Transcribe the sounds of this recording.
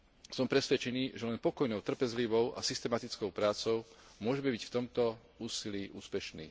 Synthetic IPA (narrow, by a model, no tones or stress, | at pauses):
sɔmpɾɛsʋɛt͡ʃɛniːʒɛlɛnpɔkɔjnɔʊt̪r̩pɛzliʋɔʊʔa̰sist̪ɛmat̪it͡skɔʊpɾaːt͡sɔʊmʊɔʒɛmɛbicft̪ɔmt̪ɔ | uːsiliːʔṵːspɛʃnḭː